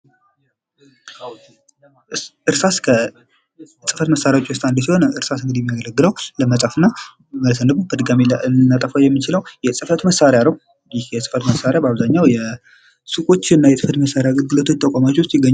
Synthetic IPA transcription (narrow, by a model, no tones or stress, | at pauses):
ʔɨɾsaskʰə | sʼɨfət̪məsaɾjawt͡ʃʼːiwos̬t̪ʼand̪əs̬iho̞nɨɾsasɨŋɡɨd̪ijɛmːijaɡələɡːɨləwləməsʼafɨnːa | məlsənːɨbubəd̪ɨɡamilɨnnːat̪ʼəfajɛmːɨt͡ʃɪləwjɛsʼɨfət̪məsːaɾejanəw | jɪhjɛsʼɨ̥fət̪məsːaɾejabaβzaɲːawjɛ | sɨkʼo̞t͡ʃːɨnːajɛsɨfət̪məsːaɾjaɡəlɡɨlot̪ʰot̪ʼːəkʷʼamat͡ʃːwʊst̪jɪɡəɲː